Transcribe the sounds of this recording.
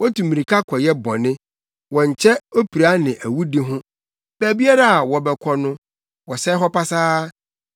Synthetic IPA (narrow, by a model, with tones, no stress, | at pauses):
wɔ˦tũ˨mĩ˨ɾi˨kʰa˦kʰɔ˨jɛ˦bɔ̃˨nɪ̃˦ | wɔ̃˨ɲ̩˨t͡ɕʰɛ˦o˦pʰi˨ɾa˦nɪ̃˨ʔæ˨wu˦de˦ɦʊ̃˦ | bæː˨bi˦a˦ɾa˨a˨wɔ˨bɛ˨kʰɔ˨nʊ̃˦ | wɔ˨sɛ˦ɦɔ˦pʰa˦saː˦